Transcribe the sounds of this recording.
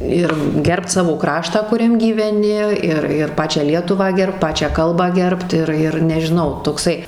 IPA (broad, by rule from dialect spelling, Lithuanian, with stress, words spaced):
ˈɪr ˈɡʲɛrpt ˈsɑːʋoː ˈkrɑːʃtɑː kʊˈrʲɛm ɡʲiːʋʲɛˈnʲɪ ˈɪr ɪr ˈpɑːt͡ʃʲæː ˈlʲiɛtʊʋɑː ˈɡʲɛrpt ˈpɑːt͡ʃʲæː ˈkɐlˠbɑː ˈɡʲɛrpt ˈɪr ɪr nʲɛʒʲɪˈnɐʊ toːkˈsɐɪ